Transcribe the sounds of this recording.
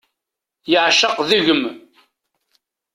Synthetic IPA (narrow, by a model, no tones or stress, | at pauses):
jəʕʃəqðuʝəm